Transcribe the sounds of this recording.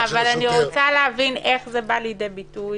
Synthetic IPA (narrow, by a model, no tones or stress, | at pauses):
avalaniʁot͡saleɦavine̞χzebalid̪ebituj